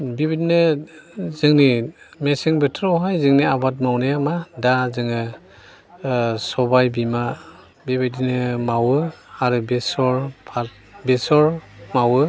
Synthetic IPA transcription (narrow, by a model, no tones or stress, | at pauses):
bibidinɯ | zɯŋni | mesiŋbɯtʰɾɔwɦajzɯŋniabat̬̚mawnemadazɯŋɯ | sɔbajbima | bibadinɯmawɯaɾɯbesɔɹpʰat̚ | besɔɹmawɯ